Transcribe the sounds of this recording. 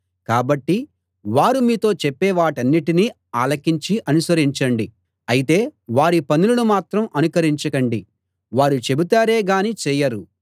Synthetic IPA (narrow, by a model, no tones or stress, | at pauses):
kaːbɐʈːi | ʋaːɾumiːt̪o̞ːt͡ʃepːɛːʋaːʈɐnːiʈiniː | aːlɐkiɲt͡ʃiʔɐnusɐɾiɲt͡ʃɐɳɖi | ɐjit̪e̞ːʋaːɾipɐnulunumaːt̪ɾɐmʔɐnukɐɾiɲt͡ʃɐkɐɳɖi | ʋaːɾut͡ʃe̞but̪aːɾe̞ːɡaːnit͡ʃɛːjɐɾu